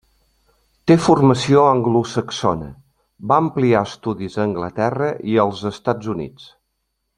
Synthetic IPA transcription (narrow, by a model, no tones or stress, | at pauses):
t̪efurməsioəŋɡlusəksɔnə̰ | baəmpliaəst̪uðizəːŋɡlət̪ɛrəʔiəlˠzəst̪ad͡zunḭt͡s